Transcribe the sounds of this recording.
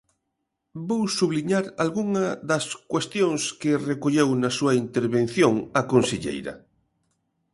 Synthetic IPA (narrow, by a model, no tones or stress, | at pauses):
bowsuβliɲaɾalɣuŋɐðɐskwest̪joŋskɪrekoʎewnɐsuɐint̪eɾβẽnθjoŋɐkonseʎḛjɾɐ̰